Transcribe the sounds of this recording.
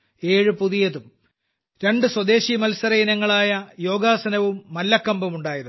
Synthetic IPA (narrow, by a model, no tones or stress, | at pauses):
e̞ːɻupuðijɐðum | ɾe̞ɳɖɨswɐd̪e̞ːɕimɐlsɐɾɐjinɐŋːɐɭaːjɐjoːɡaːsɐnɐʋumːɐlːɐkːɐmbɐmuɳɖaːjɐɾ